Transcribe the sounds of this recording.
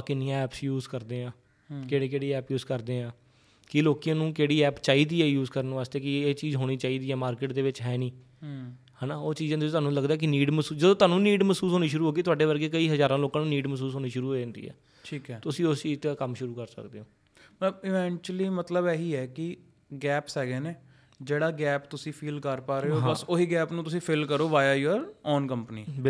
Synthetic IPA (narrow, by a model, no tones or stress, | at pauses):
kɪnɪjãːɛːpsjuːzkəɾd̪eːãː | keːɽeːkeːɽiːɛːpjuːzkəɾd̪eːãː | kɪloːkijãːnũːkeːɽiːɛːpt͡ʃaːiːd̪iːɛːjuːzkəɾnːʋaːst̪eːkɪeːt͡ʃiːzɦoːɽ̃iːt͡ʃaːiːd̪iːɛːmaːɾkɪʈd̪eːʋɪt͡ʃɦɛːnĩː | hɛːnaːoːt͡ʃiːzãːt̪ʊt̪ʊaːnũːləɡd̪aːɛːk̬ɪniːɖməsuːd͡ʒəd̪õːt̪ʊaːnũːniːɖməsuːsɦoːñiːʃʊɾuːɦoːɡiːt̪ʊaːɖeːʋəɾɡeːkəiːɦəzaːɾãːloːkãːnũːniːɖməsuːsɦoːñiːʃʊɾuːɦoːẽnd̪ḭːɛ̰ː | ʈʰiːkɛːt̪ʊsĩːʊsiːɪt̪aːkəmʃʊɾuːkəɾsə̰kd̪eːoː | mət̪ləbɪʋɛ̃ːɳt͡ʃliːmət̪ləbɛɦiːɛːkɪ | ɡɛːpsɦɛːɡeːneː | d͡ʒeːɽaːɡɛːpt̪ʊsĩːpʰiːlkəɾpaːɾeːoːɦãbəsoɦiːɡɛːpnũːt̪ʊsĩːpʰɪlkəɾoːʋaːjaːjəɾɔːnkəmpnḭːbɪ